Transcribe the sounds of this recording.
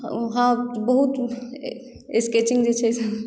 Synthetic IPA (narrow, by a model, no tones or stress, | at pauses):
ɦãbəɦut̪ | esket͡ʃɪ̃ŋɡd͡ʒet͡ʃʰɛsa